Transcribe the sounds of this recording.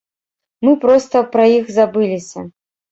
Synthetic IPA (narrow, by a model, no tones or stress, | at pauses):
mɨpɾɔst̪ɐpɾɐjixzabɨlʲisʲɐ